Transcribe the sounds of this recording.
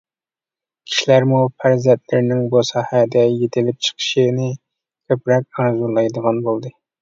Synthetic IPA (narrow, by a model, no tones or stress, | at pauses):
kʲʰi̥ʃilæɾmupʰæɾzɛnt̪lɪɾnɪŋbusɑːhæd̪ɛjet̪ʰɪlɪp̚t͡ʃʰə̥qʰə̥ʃinɪ | kʲʰøpɾɛk̚ʲɑɾzulˠɑjd̪əʁɑnbolˠd̪ɨ